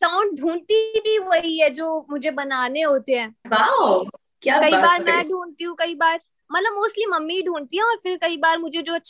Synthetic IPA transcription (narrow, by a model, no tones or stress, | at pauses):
saːʊ̃ɳɖ̚ɖʱũːnt̪ibʱiʋoɦiɦɛd͡ʒoːmʊd͡ʒʱebɐnaːneɦoːt̪eɦɛ̃ːʋa | kjaːkɐibaːɾmɛ̃ɖʱuːnt̪iɦũkɐibaːɾ | mɐt̪ləbmoːsʈlimɐmːiɖʱuːnt̪iɦɛ̃ɔːɾfɪɾkɐibaːɾmʊd͡ʒʱed͡ʒoːɐtːʃʰ